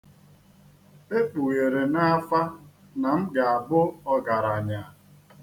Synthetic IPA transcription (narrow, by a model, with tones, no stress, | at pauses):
e˦k͡pu˨ɣe˨ɾe˨na˦a˦fa˦ | na˨m̩˦ɡa˨a˨bʊ˦ɔ˦ɡa˨ɾa˨ɲa˨